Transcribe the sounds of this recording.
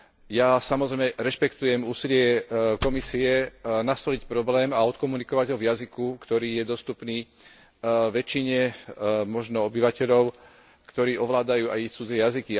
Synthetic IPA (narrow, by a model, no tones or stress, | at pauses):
jasamɔzɾɛɪmɛɾɛʃpɛkt̪ujɛmuːsilɪɛkɔmisiɛnast̪ɔlicpɾɔblɛːmaɔt̪kɔmunikɔʋaɟɦɔvjazikukt̪ɔɾiːjɛd̪ɔst̪upniː | ʋɛt͡ʃːiɲɛmɔʒnɔɔbiʋacɛʎɔʊ | kt̪ɔɾiːʔɔʋlaːd̪ajuːa̰jit͡sud͡zɛjaziki